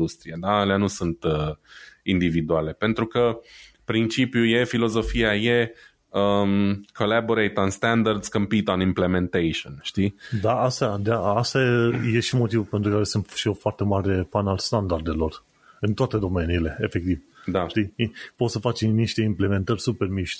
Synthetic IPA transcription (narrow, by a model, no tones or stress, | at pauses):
ust̪ɾiad̪aleanusunt̪ə | ind̪ivid̪uale̞pe̞nt̪ɾukə | pɾint͡ʃipjuje̞filo̞zo̞fijaje̞ | əkʰo̞labo̞ɾejt̪anst̪and̪ard̪skompit̪onimple̞me̞nt̪ejʃionʃt̪id̪aast̪ad̪aast̪aeje̞ʃimo̞t̪ivupe̞nt̪ɾukaɾe̞sunt̪ʃio̞foart̪e̞maɾe̞panalst̪and̪ard̪e̞lo̞r | ɨnt̪oat̪e̞d̪o̞me̞niːle̞efek̚t̪ivd̪aʃt̪iipo̞t̪səfat͡ʃiniʃt̪e̞imple̞me̞nt̪ərʲsupe̞rmiʃt̪ʲ